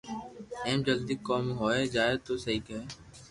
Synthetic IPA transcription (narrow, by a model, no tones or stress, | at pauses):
ɛːmd͡ʒɐld̪ikːɔːmɦoːed͡ʒaːet̪osɐɦikɦeː